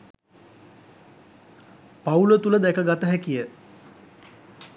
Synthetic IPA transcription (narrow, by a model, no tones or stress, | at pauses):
paulət̪uləd̪ɛkəɡat̪əɦækijə